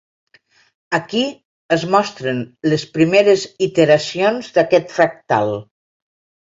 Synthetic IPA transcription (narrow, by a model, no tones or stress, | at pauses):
əki | əzmɔst̪ɾənləspɾimeɾəzit̪əɾasionzðakɛt̪fɾak̚t̪a̰lˠ